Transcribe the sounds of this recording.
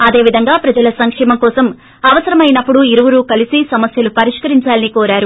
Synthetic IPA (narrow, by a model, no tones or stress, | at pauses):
ɐd̪e̞ːʋid̪ʱɐŋɡaːpɾɐd͡ʒɐlɐsɐŋkʂɛːmɐmkɔːsɐm | ɐʋɐsɐɾɐmɐjnɐpːuɽuiɾuʋuɾuːkɐlisisɐmɐsjɐlupɐɾiʂkɐɾiɲt͡ʃaːlɐnikɔːɾaːɾu